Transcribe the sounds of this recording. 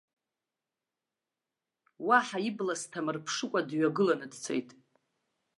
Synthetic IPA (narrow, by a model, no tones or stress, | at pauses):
waħaiblastʰamɨrpʰʂɨkʷʼadɥaɡɨlanɨdt͡sʰḛjtʼ